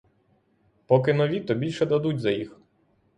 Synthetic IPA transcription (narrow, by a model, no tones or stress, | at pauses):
pɔkɪnɔʋʲit̪ɔbʲilʲʃɛd̪ɐd̪utʲzɐjix